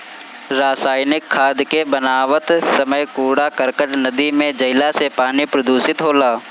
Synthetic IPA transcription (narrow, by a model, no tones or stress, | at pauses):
ɾaːsaːjnɪkʰːaːd̪kebənaːʋət̪səməjkuːɽakəɾkəʈnəd̪imẽd͡ʒɐɪlasepaːnipɾəd̪uːsɪt̪ɦoːlaː